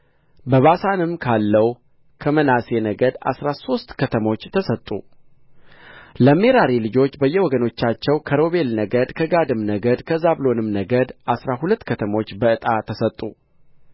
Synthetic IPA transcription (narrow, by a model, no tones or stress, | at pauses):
bəβasanɨmkʰalːəw | kʰəmənase̞nəɡəd̪a̰sɾaso̞st̪kʰət̪ʰəmo̞t͡ʃːt̪ʰəsət̪ʼːu | ləme̞ɾaɾilɨd͡ʒo̞t͡ʃːbəjːɛwɔɡəno̞t͡ʃːat͡ʃːɛwkʰəɾo̞βe̞lnəɡəd̪kʰəɡad̪ɨmnəɡəd̪kʰəzaβlo̞nɨmnəɡəd̪ʔasɾaɦulət̪ːkʰət̪ʰəmo̞t͡ʃːbəɨt̪ʼat̪ʰəsət̪ʼːu